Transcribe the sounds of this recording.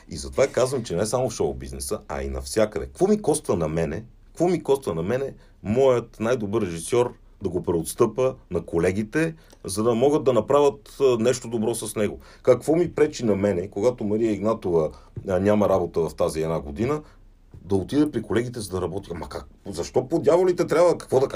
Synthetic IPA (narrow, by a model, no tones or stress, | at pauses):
izɐt̪ovakazvəmt͡ʃɛnɛsamofʃɔbḭznɛsəɐ̰ḭnɐ̰fsʲjakəd̪ɛ̰kkvɔmikɔst̪vənɐmɛnɛ | kvɔmikɔst̪vənɐmɛnɛ | mɔjət̪najd̪obɤɾːɛʒisɔɾ | d̪ɐɡopɾɛot̪st̪ɤpənɐkolɛɡ̟it̪ɛ | zɐd̪ɐmɔɡəd̪ːɐnɐpɾavʲət̪nɛʃt̪od̪obɾɔsɐsnɛɡo | kɐkvɔmipɾɛt͡ʃinɐmɛnɛkoɡat̪omɐɾijəiɡnat̪ovə | nʲamɐɾabot̪əvɐft̪aziɛd̪naɡod̪inə | d̪ɐot̪id̪ɛpɾikolɛɡit̪ɛzɐd̪ɐɾɐbɔt̪iamɐkazɐʃt̪ɔpod̪ʲjavolit̪ɛt̪ɾʲabvəkɐ̥kvɔd̪ɐk